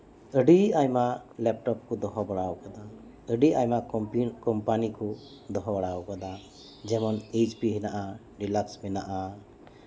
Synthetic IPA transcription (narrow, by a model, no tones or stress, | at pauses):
əɖiajmaʔlɛp̚ʈɔp̚kɔd̪ɔɦɔbaɽawkad̪a | əɖiajmakɔmpanikɔ | d̪ɔɦɔbaɽawkad̪a | d͡ʒɛmɔned͡ʒpiɦɛnaʔa | ɖilaksmɛnaʔa